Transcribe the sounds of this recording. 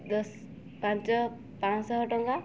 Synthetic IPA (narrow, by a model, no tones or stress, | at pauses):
d̪ɔs | pãnt͡ʃɔ | pãnsɔɦɔʈɔŋɡa